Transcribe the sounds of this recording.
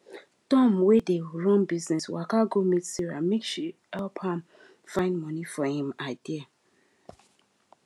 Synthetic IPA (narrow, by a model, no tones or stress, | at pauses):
tɔ̃mwedeɹɔ̃nbiznɛswakaɡomitsiɹamekʃihɛlphãm | fãɪ̃ndmɔ̃nifɔhĩmadia